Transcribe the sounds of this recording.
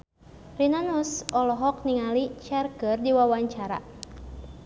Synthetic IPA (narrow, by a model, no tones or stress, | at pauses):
rinanusɔlɔɦɔk̚niŋalit͡ʃɛrkərdiwawaɲt͡ʃaɾa̰